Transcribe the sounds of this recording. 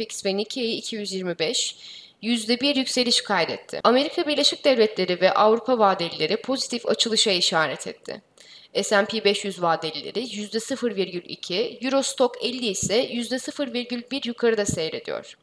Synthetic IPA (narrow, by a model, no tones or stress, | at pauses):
picsvɛnicʰiejiicʰijyzjiɾmibɛʃ | jyzd̪ɛbiɾjycse̞lʲiʃkʰajd̪ɛt̪ʰːɪ̰ame̞ɾikʰabiɾlʲeʃic̚d̪ɛvlʲɛt̪ʰlʲe̞ɾivɛʔavɾupʰavaːd̪elʲilʲe̞ɾipʰo̞zit̪ʰifa̰t͡ʃʰɯlˠɯʃaiʃaːɾɛt̪ʰɛt̪ʰːɪ̰ | ɛsæmpʰibɛʃjyzvaːd̪elʲilʲḛɾɪjyzd̪ɛsɯfɯɾviɾɟylʲḭcʰijyɾo̞st̪ʰo̞kɛlʲːiːsɛjyzd̪ɛsɯfɯɾviɾɟylʲbiɾjukʰaɾɯd̪asɛjɾe̞d̪ḭjo̰ɾ̝̥